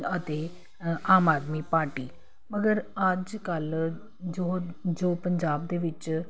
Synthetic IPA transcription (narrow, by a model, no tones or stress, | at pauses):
ət̪e | aːmaːd̪miːpaːɾʈiː | məɡəɾɐd͡ʒkəl | d͡ʒoːd͡ʒoːpəɲd͡ʒaːb̚d̪eːʋɪt͡ʃ